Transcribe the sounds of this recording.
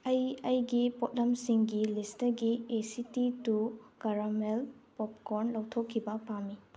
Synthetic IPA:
ɐjɐjɡipot̚lɐmsiŋɡilistɐɡiesititukɐɾamelpɔp̚koɾnlɐwtʰokʰːibɐpami

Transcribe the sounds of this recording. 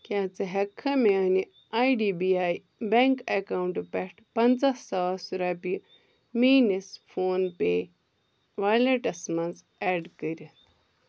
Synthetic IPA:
kʲat͡sɨɦɐkʰːɐmeɐni | ajɖibiaj | beŋkɐkawɳʈpɛʈʰpɐnt͡sasɐasuɾapi | miːnisfʰoːnpeː | ʋaːleʈɐsmɐnt͡s | ɛːɖkəɾi

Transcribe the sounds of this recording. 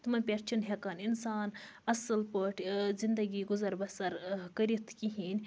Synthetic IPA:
t̪mɐnʲpʲeɾt͡ʃʰunɦekɐninsaːn | ɐsɨlpəʈʰzind̪ɐɡiɡʊzɐɾbɐsɐɾkɐɾit̪kiɦinʲ

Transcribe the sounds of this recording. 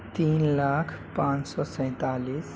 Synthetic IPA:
t̪iːnlakʰ | pãnsɔsə̃ɪ̃t̪alis

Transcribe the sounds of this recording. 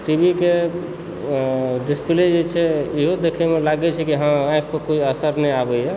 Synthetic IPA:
ʈibike | ɖispled͡ʒet͡ʃʰɛiɦod̪ekʰemelaɡɛt͡ʃʰɛkiɦããjk̚pəkoiəsəɾnəjabəjɛ

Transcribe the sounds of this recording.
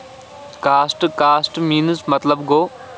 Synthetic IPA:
kaːsʈkaːsʈmiːnɨsmɐt̪ləbɡoː

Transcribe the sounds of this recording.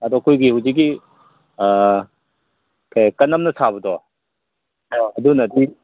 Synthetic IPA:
ɐdɔkʰojɡihuwziɡi | kʰajkɐnɐmnɐsʰabɐdɔ | ɔɐdunɐdi

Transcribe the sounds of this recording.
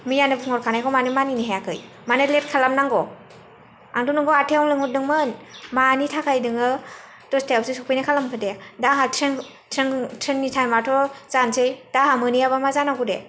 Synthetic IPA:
mijanɯpʰɯŋɔɾkʰanajkʰɔmanɯmaniniɦejakʰɯj | manɯtlet̚kʰalamnaŋɡɔ | aŋdunɯŋɡɔatʰeɔŋlɯŋut̚dɯŋmɯnmanitʰakʰajdɯŋɯ | tɔstʰaawsisɔpʰɯjnakʰalamkʰɯdedaɦatʰɾeŋ | tʰɾeŋtʰɾenːitʰajmatʰɔzansʰɯjd̥aɦamɯnijabamazanaɡude

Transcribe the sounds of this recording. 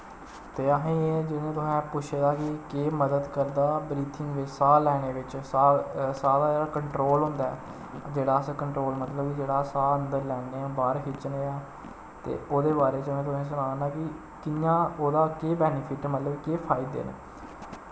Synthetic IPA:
t̪eːəɦẽːeːd͡ʒɪnẽːt̪ʊsɛ̃ːpʊʃʰed̪aːkɪkeːməd̪əd̪kəɾd̪aːbɾiːt̪ʰɪŋɡʋɪt͡ʃsaːlɛːneːʋɪt͡ʃsaːsaːd̪aːd͡ʒeːɽaːkəɳʈɾoːlɦʊ̃nd̪aːɛ̰ː | d͡ʒeːɽaːskəɳʈɾoːlmət̪ləbkɪd͡ʒeːɽaːsaːənd̪əɾlɛːneːãːbaːɾɦɪt͡ʃneːaː | t̪ḛːʔoːd̪eːbaːɾeːt͡ʃəmɛ̃ːt̪ʊsɛ̃ːs̬ənaːnãːkɪ | kɪjãːoːd̪aːkeːbɛːnɪpʰɪʈmət̪ləbkeːpʰaːɪd̪ḛːnḛː

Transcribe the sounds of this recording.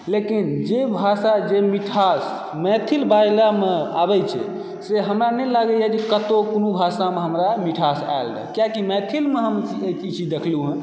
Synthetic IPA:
lekind͡ʒebʱasad͡ʒemiʈʰas | mɛt̪ʰilbajilamea̰bɛt͡ʃʰɛ̰ | seɦəmɾanɛlaɡɛjad͡ʒekət̪okonubʱasameɦəmɾamiʈʰasa̰eld̪a̰kjakimɛt̪ʰilmeɦəmet͡ʃʰit͡ʃʰid̪ekʰluɦɛ̃

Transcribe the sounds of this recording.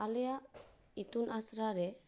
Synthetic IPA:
alea | it̪unasɾaɾɛ

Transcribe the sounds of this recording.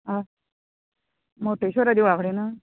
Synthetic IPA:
a | moʈeɕoɾad̪iʋaɣɽena

